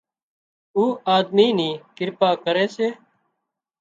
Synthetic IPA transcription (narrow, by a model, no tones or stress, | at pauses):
uːaːd̪miːniːkɪɾpaːkəɾeːseː